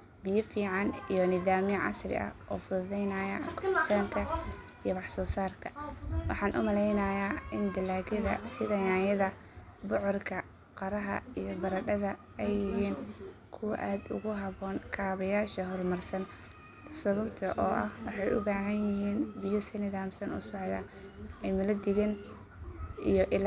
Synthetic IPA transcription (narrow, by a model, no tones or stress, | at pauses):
bɪjɔfiːʕɑnijɔnɪðaːmɪjʕɑ̰srɪ̰ʔɐ̰hʔɔ̰ːfʊððɛjnɐjɐkʰɔbt̪ʰaːŋkʰɐ | ijɔβɑħsɔːsaːrkʰɐ̥wɑ̰ħɑːnʔʊ̰mɐlɛjnɐjaːɪnd̪ɐlaːɣɪðɐ̰sɪðɐjaːjɐðɐ | bɔʕɔrkʰɐ | qɑɾɐɦɐ̰ijɔbɐɾɐɗɐðɐ | ɛjːɪɦiːnkʰʊwɐ̰ʔaːd̪ʊ̰ɣʊɦɐβɔːnkʰaːβɐjaːʃɐɦɔlmɐrsɐn | sɐβʊbt̪ʰɐʔɔːʔɐhwɑħɑjʔʊ̰baːɦɐnjɪɦiːnbɪjɔsɪnɪðaːmsɐnʊ̰sɔʕðɐ | ʔɛjmɪlɐd̪ɪɣɛn | ijɔʔɪl